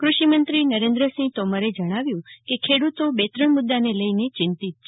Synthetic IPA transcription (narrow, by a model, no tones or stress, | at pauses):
kɾuʃimənt̪ɾinəɾẽnd̪ɾəsĩt̪ɔmaɾed͡ʒəɽ̃aʋjũkekʰeɽut̪obet̪ɾəɳmʊd̪ːaneləinet͡ʃɪnt̪it̪̚t͡ʃʰ